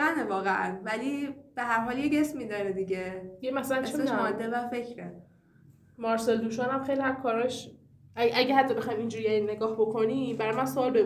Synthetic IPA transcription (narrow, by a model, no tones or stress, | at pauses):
ænevɒːɣeʔænvælib̥eɦæɾɦɒːljeɟesmid̪ɒːɾed̪iɟed̪iɡemæsælænt͡ʃsesmeʃɒd̪ːevæfe̞cʰɾe | mɒɾseld̪uʃɒːnæmxejlihæmkʰɒːɾɒʃ | ææɟehæt̪ʰːɒbexɒjmind͡ʒuːɾijæɾinːe̞ɡɒːhbo̞kʰo̞nibæɾɒjmænsoɒːlbe